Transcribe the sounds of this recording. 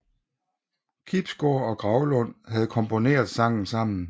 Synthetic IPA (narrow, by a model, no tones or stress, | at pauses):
kʰib̥sɡ̥oɐɒ̽ɡ̥ʁɑ̈ʊlɔ̽n̰ɦæð̞̩ˠkʰɒ̽mpʰo̝ne̝̰ːɐð̩ˠsɑ̈ŋ̰n̩sɑ̈m̰n̩